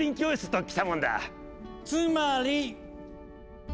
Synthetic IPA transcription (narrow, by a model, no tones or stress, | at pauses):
ĩŋkʲioːisɨ̥t̪okʲi̥t̪amõnd̪a̰ | t͡sɨ̃maɾi